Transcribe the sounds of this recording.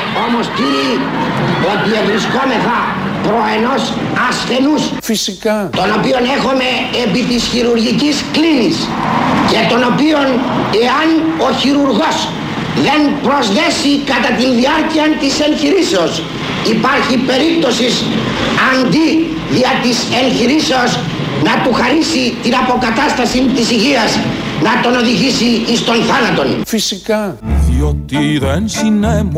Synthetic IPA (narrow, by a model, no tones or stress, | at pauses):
o̞mo̞scii | o̞t̪ievɾisko̞me̞θɐ | pɾo̞e̞no̞s | ɐsθe̞nus | fisikt̪o̞no̞pio̞ne̞xome̞ːpit̪isçiɾuɾʝicisklinis | ce̞t̪o̞no̞pio̞ne̞ɐno̞çiɾuɾɣo̞s | ðe̞npɾo̞zðe̞sikɐt̪ɐt̪inðiɐɾciɐnt̪ise̞ŋçiɾise̞os | ipɐɾçipe̞ɾip̚t̪o̞sis | ɐnd̪i | ðiɐt̪ise̞ŋçiɾiseoz | nɐt̪uxɐɾisit̪inɐpo̞kɐt̪ɐst̪ɐsint̪isiʝiɐz | nɐt̪o̞no̞ðiʝisiist̪o̞nθanɐt̪o̞nfisikɐðiot̪iðɐnsine